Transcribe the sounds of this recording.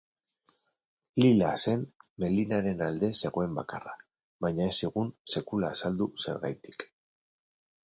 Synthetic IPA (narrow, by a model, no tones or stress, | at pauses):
lilase̞mːe̞linaɾe̞nald̪e̞se̞ɣo̞e̞mba̰kara | βajɲaesiɣ̞unse̞kulaːsald̪use̞̰ɾɣa̰jt̪i̥k